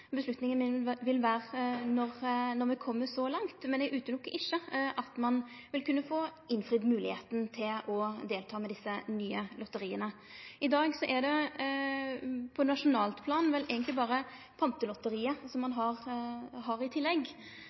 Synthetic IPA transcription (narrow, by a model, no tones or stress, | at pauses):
bəslʉt̪nɪŋənmɪnʋɪlʋæːʁnɔʁnɔɾʋɛkʰɔmːəsɔlɑŋt̪mɛnd̪ɛʔʉːt̪ənɔkːɪʃːəʔɑt̪mɑn | ʋɪlkʉnːəfoːɪnfʁɪd̪mʉːlɪheːt̪nt̪ʰɪlɔd̪eːlt̪ʰɑːmɛd̪ɪsːənyːəlɔt̪ːəʁiːənə | ɪd̪ɑːɡsɔʔɛɖ̪ɛ | pʰɔnɑʂʊnɑːlt̪pʰlɑːnʋɛlæːɡənt̪lɪbɑːɾə | pʰɑnt̪əlɔt̪ːəɾiːəsɔmːɑnɦɑʁɦɑɾɪt̪ʰɪlːɛɡ